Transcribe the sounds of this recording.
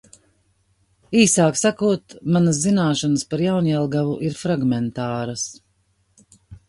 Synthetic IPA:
iːsaːksakuɔt̪manɐszinaːʃanəspaɾjawnɛlˠɡavuʔiɾfɾaɡmɛnt̪aːɾəs

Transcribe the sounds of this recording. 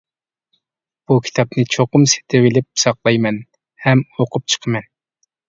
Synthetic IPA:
b̥ukʲʰi̥t̪ʰɑpnɨt͡ʃʰoqʊmse̥t̪ʰɪwɪlɪpsɑqlˠɑjmɛn | hɛmoqʰʊp̚t͡ʃʰə̥qʰəmɛn

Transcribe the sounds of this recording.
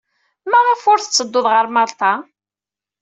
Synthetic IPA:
mæʁəfʊɾθət͡sːəd̪ːʊðʁəɾmɑɾˤt̪ɑ

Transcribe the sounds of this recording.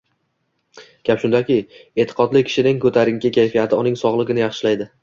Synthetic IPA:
ɡ̥ʲapʃʊnd̪akʲɪe̞t̪ʰɪ̥qʰɒd̪lɪkʲʰɪ̥ʃɪnɪŋkʰɵt̪ʰaɾɪŋkʲɪkʲʰajfijat̪ʰɪʊnɪŋsɒʁlˠɪɡʲɪnɪjaχʃɪlajd̪ɪ

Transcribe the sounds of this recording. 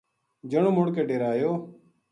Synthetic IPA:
d͡ʒəɳõːmoɽkeːɖeːɾaːjoː

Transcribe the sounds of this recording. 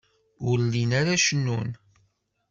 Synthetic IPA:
ʊɾlinaɾaʃənːun

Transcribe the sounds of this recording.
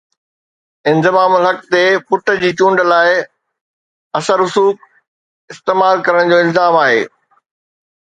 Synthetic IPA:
ɪ̃nzɪmaːmɦɐkt̪epʊʈə̆d͡ʑiːt͡ɕũːɳɖəlaːɪ | ɐsəɾʊsuːk | ɪst̪eːmaːlkɐɾəɽ̃d͡ʑoːɪlzaːmaːɦḛː

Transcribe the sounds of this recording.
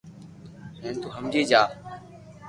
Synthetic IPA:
ɦẽːnt̪uːɦəmd͡ʒiːd͡ʒaː

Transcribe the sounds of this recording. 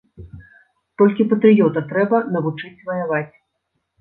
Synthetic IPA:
t̪ɔlʲkʲipɐt̪ɾɨjɔt̪ɐt̪ɾɛbɐnɐvut͡ʂɨt͡sʲvɐjavat͡sʲ

